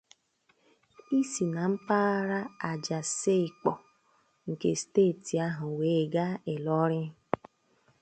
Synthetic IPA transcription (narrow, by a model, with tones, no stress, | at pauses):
i˦si˨na˨m̩˦paː˦ɾa˦a˨d͡ʒa˨se˦ɪ˨k͡pɔ˨ | ŋ̩˨kḛ˨steː˦˨ti˨a˦ɦʊ˨we˨˦˨ɡa˦e˨lɔ˦ɾɪ˦